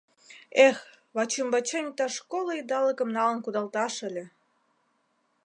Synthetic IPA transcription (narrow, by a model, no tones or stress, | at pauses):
ex | βɑt͡ɕəmbɑt͡ɕenʲit̪ɑʃkoləid̪ɑləkə̆mnɑlə̆nkud̪ɑlt̪ɑʃə̆lʲĕ